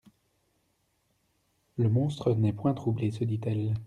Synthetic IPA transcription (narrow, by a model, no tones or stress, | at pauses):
ləmɔ̃st̪χənɛpwɛ̃t̪χublesəd̪it̪ɛl